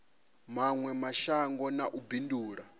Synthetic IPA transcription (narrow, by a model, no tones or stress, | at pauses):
maŋwɛmaʃaŋɡɔnaʔubinduːɺa